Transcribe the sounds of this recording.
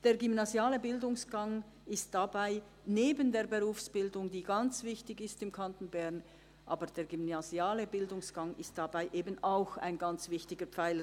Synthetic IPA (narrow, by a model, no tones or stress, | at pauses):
d̥eːɐʁɡʏmnazjaːləbɪldʊŋsɡ̥aŋ | ɪst̚d̥abaɪ | neːbəndeːɐbeʁuːfsb̥ɪldʊŋdiːɡant͡sv̥ɪçtɪɡɪstɪmkʰantn̩bɛʁn | ʔa̰ːbəd̥eːɡymnaziaːləbɪldʊŋsɡ̥aŋɪstd̥abaɪʔeːbənaʊxa̰ɪnɡant͡sv̥ɪçtɪɡəpp͡faɪlə